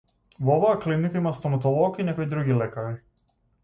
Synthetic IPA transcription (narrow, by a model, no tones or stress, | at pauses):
vɔɔvaaklinikaimast̪ɔmat̪̬ɔlˠɔkinɛkɔjd̪ɾuɡilɛkaɾi